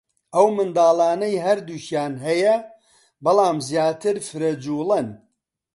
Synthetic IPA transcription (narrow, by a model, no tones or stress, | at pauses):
ʔɐwmɨnd̪aːlˠaːnɐjɦɐɾd̪uːçjaːnɦɐjɐ | bɨlˠaːmzjaːt̪ʰɨɾfɨɾɐd͡ʒuːlˠɐn